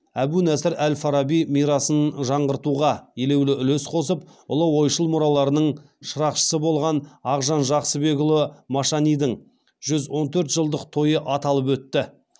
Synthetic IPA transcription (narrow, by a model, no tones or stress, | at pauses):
æbunæsɪɾælfɑɾɑbijmijɾɑsənʒɑɴʁəɾt̪uʁɑjele̞wlɪʏlɵsqʰo̞səp̚ʊ̰lˠəwo̞jʃəlˠmʊɾɑlˠɑɾənəɴ | ʃəɾɑqʃə̥səbolˠʁɑnɑʁʒɑnʒɑqsəbe̞kʊlˠəmɑʃɑnijd̪əɴ | ʒ̥ʏzwo̞nt̪ʰɵɾt̪ʒəlˠd̪əqt̪ʰo̞jəʔɑt̪ɑlˠəp̬wɵt̪ːɪ